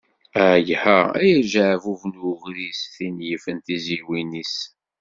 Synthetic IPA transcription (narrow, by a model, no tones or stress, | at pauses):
æjhææ̰jæʒaʕvuvnʊʁɾisθinjifənt̪iziwinis